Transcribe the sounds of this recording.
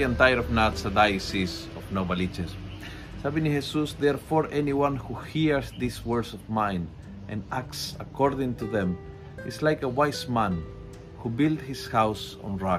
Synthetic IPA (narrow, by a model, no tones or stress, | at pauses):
ãnt̪ajɾɔvnatsəd̪ajsis | ɔvnobalit͡ʃes | sabĩnihesusðɛɾfɔɾʔɛniwãnhuhiɹzðiswɜɹsɔvmãj̃n | ʔɛ̃naktsakʰɔɾðɪ̃ŋt̪uðɛ̃m | ɪslajkəwajsmæ̃n | hubild̪hɪshawsɔ̰̃nɹa